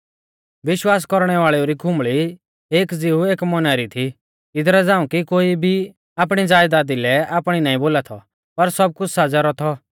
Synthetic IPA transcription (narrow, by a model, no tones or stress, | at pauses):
ʋɪʃwaːs̬kɔɾɽ̃ɛʋaːɭɛoɾikʰʊ̃mɭi | eːkd͡zɪueːkmɔnaɾit̪ʰi | ɪd̪ɾɛd͡zãːũkikoːibʱi | aːpɽ̃id͡zaːjd̪aːd̪ilɛaːpɽ̃inaːĩboːlat̪ʰɔ | pɐɾsɐb̚kʊt͡ʃʰsaːd͡zaɾɔt̪ʰɔ